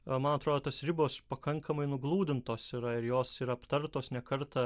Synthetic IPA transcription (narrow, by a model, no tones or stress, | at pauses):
mɐnɐt̪ɾoːd̪oːt̪ɐsɾʲɪboːspɐkɐŋkʰɐmɐɪnʊɡlˠuːd̪ʲɪnt̪oːsiɾɐɪɾjoːsiɾɐɐpt̪ɐɾt̪oːsnʲɛkɐɾt̪ɐ